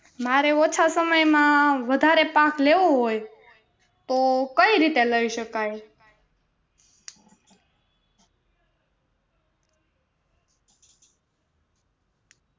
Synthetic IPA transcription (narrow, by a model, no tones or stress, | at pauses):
maɾeot͡ʃʰasəməjmãʋəd̪ʱaɾepãkleʋõɦoj | t̪okəiɾit̪eləiʃəkaj